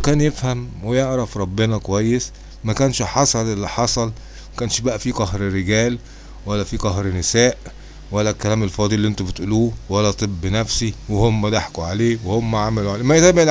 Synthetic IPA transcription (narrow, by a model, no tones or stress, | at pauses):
kæːnjefhæmwejeʕɾˤɑfɾˤɑbːenɑkowæjːes | mækæːnʃħɑsˤɑlʔelːiħɑsˤɑl | mækæːnʃbæʔæfiːqɑhɾɾeɡæːl | wælːæfiːqɑɦɾnɪsæːʔ | wælːækælæːmelfɑːd̪ˤiʔlːʔent̪ubet̪ʔuluːwælːæt̪ˤebːnæfsiwehomːæd̪aħkuʕaleːwehomːæʕamæluʕaleːmæʔezæbel